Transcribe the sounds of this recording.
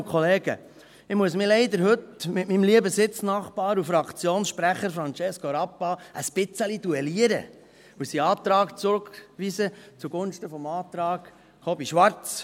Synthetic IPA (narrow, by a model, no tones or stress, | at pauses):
kʰχɔleːɡ̥ə̰ | ɪmuəsmɪlɛɪd̪əɾhɵt̪mɪtmimliəbəsɪt͡snɑːχpɑːɾufɾɑkt͡sjoːnsʃpɾæχəɾfɾɑnt͡ʃɛskoɾɑpːɑʔəspɪt͡səlid̥uɛliəɾə̰ | usiɑːt̪ɾɑːkt͡sɾʊkʋisət͡suɡ̥ʊnʃtəfɔmɑːt̪ɾɑːɡ̥ | χɔbiʃʋɑɾt͡s